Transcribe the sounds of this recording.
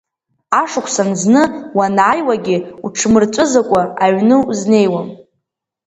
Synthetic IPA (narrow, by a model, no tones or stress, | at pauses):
aʂʊkʷʰsanznɨwanʕajwaɡʲɪuʈ͡ʂʰmɨrt͡sʷʼʊzakʷʼaaɥnɨzne̞jwam